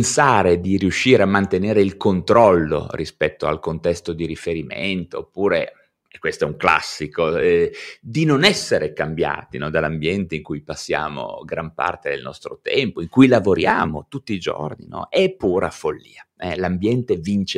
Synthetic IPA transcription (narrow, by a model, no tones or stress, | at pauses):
nsaːɾed̪iriuʃːiːɾeamːant̪eneːɾeilkont̪ɾɔlːo̰rispɛt̪ːoa̰lkont̪ɛst̪od̪iɾifeɾimḛnt̪oːpːuːɾe | kwest̪oɛuŋkla̰sːikoɛd̪inonɛsːeɾekambja̰ːt̪inɔd̪alːambjɛnt̪eiŋkujpasːja̰ːmo̰ɡɾampa̰rt̪ed̪ḛlnɔ̰st̪ɾot̪ɛmpoiŋkujlavoɾja̰ːmo̰t̪ut̪ːiːd͡ʒo̰rnḭnɔ̰ɛpːuːɾafolːḭːaɛlambjɛnt̪evint͡ʃe